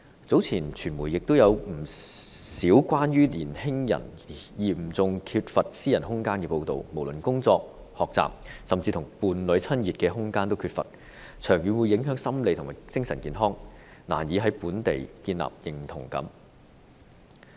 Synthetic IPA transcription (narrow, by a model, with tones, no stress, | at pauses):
t͡so˨˥wt͡sʰiː˨˩nt͡ʃʰyː˨˩nmuː˨˩jɪ˨k̚t̪o˥wjɐ˨˧wm̩˨˩siː˨˥wkʷaː˥njyː˥liː˨˩nhɪ˥ŋjɐ̰˨˩n | jiː˨˩m̩˨t͡sʊ˨ŋkʰyː˧t̚fɐ˨t̚siː˥jɐ˨˩nhʊ˥ŋkaː˥nkɛː˧po˧wt̪o̰˨wmo˨˩wlɵ˨˩nkʊ˥ŋt͡sɔː˧k̚ | hɔː˨k̚t͡sa̰ː˨p̚sɐ˨mt͡siː˧t̪ʰʊ˨˩ŋpuː˨˧nlɵ˨˥ɥt͡sʰɐ˥njiː˨t̚kɛː˧ɦʊ˥ŋkaː˥nt̪o˥wkʰyː˧t̚fɐ̰˨t̚ | t͡ʃʰœː˨˩ŋjyː˨˧nwu˨˧jːɪ˨˥ŋɦœː˨˥ŋsɐ˥mle˨˧jt̪ʰʊ˨˩maː˨˩t͡sɪ˥ŋsɐ˨˩nkiː˨˧nɦɔː˥ŋna̰ː˨˩njiː˨˧ɦɐ˨˥jpuː˨˥nt̪ḛ˨jkiː˧nla̰ː˨p̚jɪ˨˩ŋt̪ʰʊ˨˩ŋkɐ̰˨˥m